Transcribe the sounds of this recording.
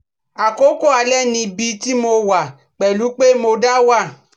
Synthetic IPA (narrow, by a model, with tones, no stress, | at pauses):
a˨ko˨˦ko˦˨a˧lɛ˦˨nĩ˧bi˧˦ti˦mo˧wa˨ | k͡pɛ˨lu˨˦k͡pe˦mo˧da˦wa˦˨